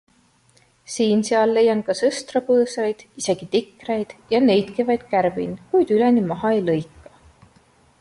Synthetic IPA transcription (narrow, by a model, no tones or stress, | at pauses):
siːnseɑlːe̞jːɑnkɑsɤst̪rɑpɤːsɑjd̪̥ise̞ɡ̥it̪ikːˑrejd̪̥jɑne̞jt̪kivɑjd̪̥̚kæɾvḭnkujd̪̥ylenimɑɦɑejlɤjkːˑɑ̥